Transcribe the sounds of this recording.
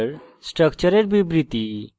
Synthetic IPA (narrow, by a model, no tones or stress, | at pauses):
ɾ | sʈɾəkt͡ɕəɾeɾbibɾit̪i